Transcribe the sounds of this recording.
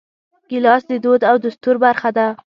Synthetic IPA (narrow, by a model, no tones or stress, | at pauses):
ɡ̥ɪlɑsd̪ɪd̪od̪awd̪ʊst̪uɾbaɾxad̪a